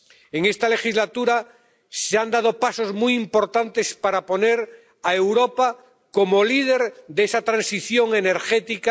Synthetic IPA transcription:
e̞ŋe̞st̪ale̞xizlat̪uɾa | seand̪að̞o̞paso̞zmujimpo̞ɾt̪ant̪e̞spaɾapo̞ne̞ɾ | ae̞wɾo̞pa | ko̞mo̞lið̞e̞ɾd̪esat̪ɾansiθjo̞ŋe̞ne̞ɾxet̪ika

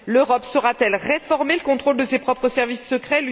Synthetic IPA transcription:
løʁɔpsɔʁat̪ɛlʁefɔʁmeləkɔ̃t̪χold̪əsepχɔpχəsɛʁvisːəkχɛl

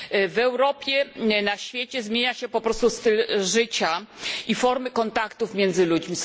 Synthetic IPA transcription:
vɛwɾɔpʲjɛnaɕfʲjet͡ɕɛzmʲjeɲaɕɛpɔpɾɔst̪ust̪ɘlʐɘt͡ɕaifɔɾmɘkɔnt̪akt̪ufmʲjɛnd̪zɘlud͡ʑmʲi

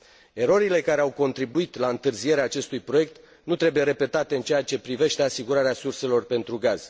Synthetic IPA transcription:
e̞ɾo̞ɾile̞kaɾeawko̞nt̪ɾibuit̪laɨnt̪ɨrzije̞ɾeaːt͡ʃe̞st̪ujpɾo̞je̞k̚t̪ | nut̪ɾe̞buje̞ɾe̞pe̞t̪at̪e̞ɨnt͡ʃejat͡ʃe̞pɾive̞ʃt̪e̞asiɡuɾaɾeasurse̞lo̞rpe̞nt̪ɾuɡaz̥

